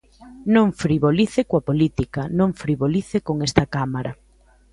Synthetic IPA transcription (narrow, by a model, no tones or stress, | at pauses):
nõŋfɾiβoliθekwapolit̪ikanõŋfɾiβoliθekoŋest̪ɐkamaɾa